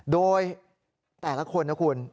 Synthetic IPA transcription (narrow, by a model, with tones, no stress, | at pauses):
doː˧j | t̪ɛː˨˩la˦˥kʰo˧nːa˦˥kʰu˧n